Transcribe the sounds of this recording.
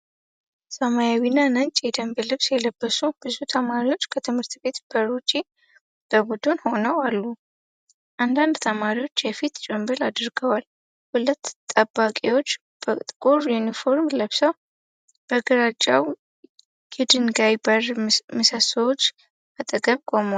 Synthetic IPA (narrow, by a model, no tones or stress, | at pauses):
səmajawinːanəɲt͡ʃʼjɛd̪əmbelɨβsjɛləbːəsub̥ɨzut̪ʰəmaɾiwo̞t͡ʃːkʰət̪ʰɨmhɨɾt̪be̞t̪b̥əɾut͡ʃʼi | b̥əɡud̪unho̞nəwalːu | ʔand̪and̪t̪ʰəmaɾiwo̞t͡ʃːjɛfit̪t͡ʃʼɛmbəlad̪ɨɾɡəwal | hulət̪ːt̪ʼəbːakʼewo̞t͡ʃː | b̥ət̪ʼkʼuɾjunifo̞ɾmləβsəw | b̥əɡɨɾat͡ʃʼːaw | jɛd̪ɨnɡajbərmɨsəsəwot͡ʃː | ət̪ʼɨɡəβkʼoməw